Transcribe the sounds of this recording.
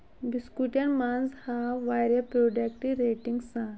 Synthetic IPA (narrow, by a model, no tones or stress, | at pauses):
biskuʈjanmand͡zhaʋajɾjapɾoɖakʈiɾeʈiŋɡsã